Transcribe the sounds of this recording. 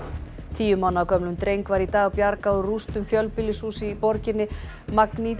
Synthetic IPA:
t̪ʰiːjʏmawnakʰœmlʏmt̪ɾejŋkvaɾit̪aːɣapjaɾkaʏrust̪ʏmfjœlpɪlɪsuːsɪipɔɾcɪnːɪ | makni

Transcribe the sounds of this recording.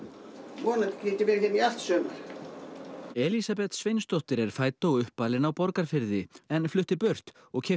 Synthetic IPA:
vɔːnat̪ciːt̪ɪmɛɾçɛt̪nial̥t̪sœːma̰ɾ̥ | ɛlisapɛt̪svejnst̪ɔht̪ɪɾɛɾ̥faːjt̪oɣʏhpːalɪnawpɔɾkaɾ̥fɪɾðɪɛnflʏht̪ɪpœr̥t̪ | ɔɣcʰɛ

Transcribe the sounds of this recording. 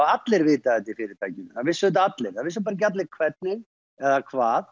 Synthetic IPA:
at̪lɪɾvɪːt̪aɛt̪ːɪfɪːɾɪɾt̪ʰajcɪnθaðvɪsʏt̪̬at̪lɪɾ̥θaðvɪls̬ʏpaɾacat̪lɪɾkʰvɛt̪̚nɪɣ | ɛðakʰvaːð

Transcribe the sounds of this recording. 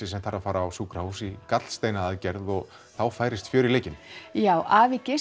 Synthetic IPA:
ɪsɛmt̪ʰaːɾafaːɾaːwsuːkɾahusikat̪l̥st̪eːjnaaðcɛɾðɔɣ | θawfaːjɾɪst̪fjʏːɾɪleːjcɪnjaːwʔaːvɪcɪ

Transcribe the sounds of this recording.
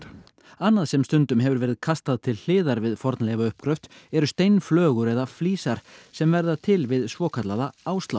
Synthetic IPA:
anːaðsɛmst̪ʏnt̪ʏmɦɛvʏɾvɛːɾɪðkʰast̪aðt̪ʰɪlh̪ɪːðaɾvɪðfɔɾt̪nlejvaʏhpkʰɾœft̪ɛɾʏst̪ejnflœːɣʏɾɛðafliːsaɾ̥sɛmvɛɾðat̪ʰɪlvɪðsvɔːkʰat̪laðaaːwst̪law

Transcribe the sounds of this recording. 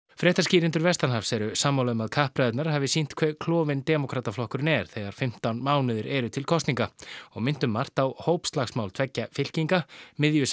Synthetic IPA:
fɾɛːht̪asciːɾɪnt̪ʏɾvɛst̪anɦafsɛɾʏsaːmːawlamaðkʰahpɾɛjt̪naɾ̥haːvɪsin̥t̪kʰvɛɾkʰlɔːvɪnt̪ɛːmɔkʰɾaːt̪aflɔhkʏɾɪnɛɾ̥θɛɣaɾ̥fɪm̥t̪awnmaːwnɪðɪɾʔɛɾʏt̪ʰɪlkʰɔst̪niŋkaɔɣmɪn̥t̪ʏmːar̥t̪awhoːwpst̪laxsmawlt̪ʰɛcːafɪl̥ciŋkamɪðjʏs

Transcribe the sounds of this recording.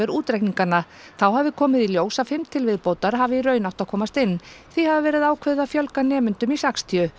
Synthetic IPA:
ɛɾuːt̪ɾɛjkniŋkanːa | θawɦavɪkʰɔːmɪðiljoːwsafɪmt̪ʰɪlvɪðpoːwt̪aɾ̥ɦaːvɪiɾœɥnaw̥t̪aðkʰɔːmast̪ɪnːθihavavɛːɾɪðaːwkʰvɛðafjœlkanɛːmʏnt̪ʏmisakst̪ʰijʏ

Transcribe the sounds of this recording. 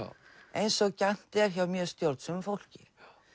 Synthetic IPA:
ejnsɔɣcan̥t̪ɛɾ̥çawmjœːɾ̥st̪jowɾt̪sʏmfowl̥cɪ̰

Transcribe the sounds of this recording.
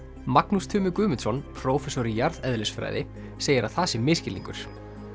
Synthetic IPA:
maknust̪ʰʏːmʏkʏːmɪnsɔnpʰɾɔwfɛsɔɾɪjaɾðɛðlɪsfɾa̰ːjðɪ | seːjɪɾʔaθaːsɪmɪːscɪlḭŋkʏ̰ɾ̥

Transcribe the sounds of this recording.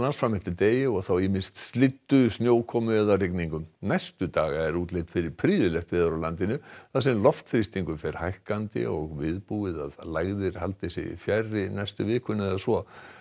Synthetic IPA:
nansfɾamɛht̪ɪt̪eːjɪɔɣθawɪmɪnst̪st̪lɪt̪ːʏsnjoːwkʰɔmʏɛðarikniŋkʏmnajst̪ʏt̪aːɣaɛɾuːt̪lejt̪fɪɾɪɾ̥pʰɾiːðʏlɛxt̪vɪːðaɾawlant̪ɪnʏθasɛmlɔft̪θɾɪst̪iŋkʏfɛɾ̥hajhkant̪ɪ̰ɔɣvɪðpuɪða̰ðlaɣðɪɾ̥halt̪ɪsɪ̰fjajrːɪnajst̪ʏvɪːkʏnɛðasvɔ

